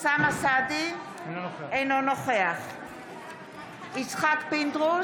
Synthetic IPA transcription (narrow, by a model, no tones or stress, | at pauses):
samasad̪i | ejnonoχeaχ | it͡sχakpind̪ʁu